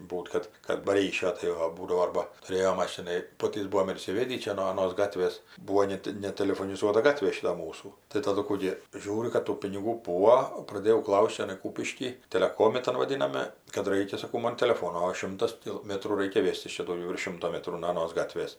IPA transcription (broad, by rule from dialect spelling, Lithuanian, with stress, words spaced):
ˈbuːt kɐt kɐt bɐ ˈrʲiːʃʲoː ˈtɐɪ oː ˈbuːdɐʋoː ˈɐrbɐ tʊˈrʲeːjoː ˈmɑːʃʲɪnɐɪ ˈpoːtʲiːs ˈbuːoːm ɪr iːsʲɪˈʋʲeːdʲiː ˈt͡ʃʲɛ noː ɐˈnoːs ˈɡɑːtʲʋʲeːs ˈbuːoː ˈnʲɛt nʲɛtʲɛlʲɛfoːnʲɪˈzuɔtɐ ˈɡɑːtʲʋʲeː ˈʃʲɪtɐ ˈmuːsuː tɐɪ tɐˈdʊ ˈkuː ɡʲɪ ˈʒʲuːrʲʊ kɐt ˈtuː pʲɪnʲɪˈɡuː ˈbuːoː prɐˈdʲeːjɛʊ ˈklˠɐʊsʲtʲ t͡ʃʲɛˈnɐɪ ˈkuːpʲɪʃʲkʲiː tʲɛlʲɛˈkoːmʲɪ ˈtɐn ʋɐˈdʲɪnɐmʲɛ kɐt ˈrɐɪkʲɛ sɐˈkɐʊ ˈmɐn tʲɛlʲɛˈfoːnoː oː ˈʃʲɪmtɐs tʲɪ ˈmʲæːtruː ˈrɐɪkʲɛ ˈʋʲeːsʲtʲɪs ˈt͡ʃʲɛ dɐʊˈɡʲɛʊ ʋʲɪrʃ ˈʃʲɪmtoː ˈmʲæːtruː noː ɐˈnoːs ˈɡɑːtʲʋʲeːs